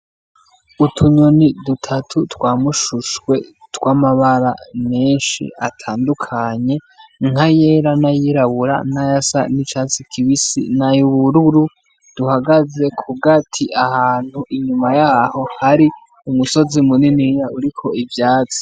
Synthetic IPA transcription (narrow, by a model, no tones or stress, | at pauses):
utʰuɲonidutʰatʰutwaːmuʃuʃwe̞ | twamaβaɾame̞ːnʃḭatʰaːndukʰaɲe̞ | ŋ̥aje̞ːɾanajiɾaβuɾa̰najasa̰nit͡ʃat͡sikʰiβisḭnajuβuɾuɾu | d̥uhaɡaze̞kʰuɡatʰiʔahaːn̥huʔiɲumajaːho̞haɾi | umuso̞zimuninijauɾikʰo̞ivjaːt͡si̥